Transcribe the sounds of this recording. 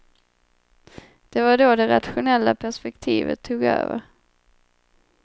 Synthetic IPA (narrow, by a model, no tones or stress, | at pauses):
d̪̥ɛvaɖod̪ɛɾat̪ɧʊnɛlːapʰæʂpɛkt̪ʰiːvə̰t̪ʰːuːɡø̰ːvəɾ